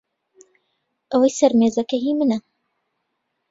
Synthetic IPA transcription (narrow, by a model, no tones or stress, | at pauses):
ʔɐwɐjsɐɾmeːzɐkɐɦimɨnɐ